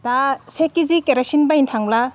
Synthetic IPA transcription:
tasekizikeɾasinbaintʰaŋla

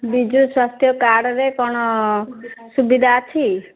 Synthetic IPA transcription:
bid͡ʒuswast̪ʰjɔkaɽɔɾekɔɽ̃ɔ | subid̪ʱaːt͡ʃʰi

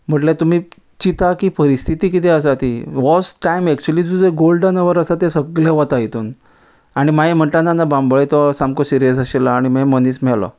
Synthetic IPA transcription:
m̤əʈljat̪um̤iː | t͡ɕit̪akipəɾist̪ʰit̪ikit̪ɛəsat̪iʋɔsʈajmɛk̚t͡ɕuəlid͡zud͡zeɡolɖənəʋəɾəsat̪esəɡɭɛʋət̪ait̪uːn | aɽ̃imaem̤əɳʈanːanːabãmbɭet̪ɔsãmkosiɾijəsaɕilaaɽ̃imɛməniːsmɛlɔ̰

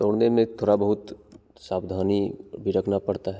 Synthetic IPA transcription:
t̪oːɽnemẽt̪ʰoːɽabəɦʊt̪ | saːbd̪ʱaːnibʱiɾɐkʰnapɐɽt̪aɦɛ

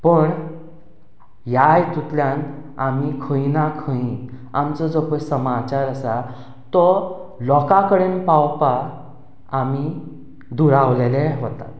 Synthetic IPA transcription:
pəɳ | jajt̪ut̪ljãnamikʰə̃ĩnakʰə̃ĩ | a̰mt͡sɔd͡zɔpəsəmat͡ɕaɾəsa | t̪ɔlɔkakəɽenpawpaː | mi | d̪uɾaʋlelẽɦot̪a̰

